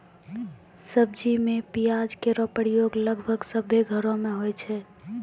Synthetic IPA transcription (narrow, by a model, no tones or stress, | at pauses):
səb̚d͡ʒimẽpijad͡ʒkeɾɔpəɽjoːɡləɡʱbʱəɡsəbʱeɡʱəɾõmẽɦojt͡ʃʰɛ